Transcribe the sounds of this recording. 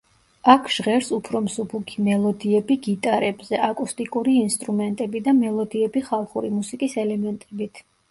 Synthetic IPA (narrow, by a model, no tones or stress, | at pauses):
akʰʒ̥ʁɛɾsupʰɾɔmsupʰukʰimɛlˠɔd̪iɛbiɡit̪ʼaɾɛbzɛʔakʼust̪ʼikʼuɾiːnst̪ʼɾumɛnt̪ʼɛbid̪amɛlˠɔd̪iɛbiχalˠχuɾimusikʼisɛlɛmɛnt̪ʼɛbit̪ʰ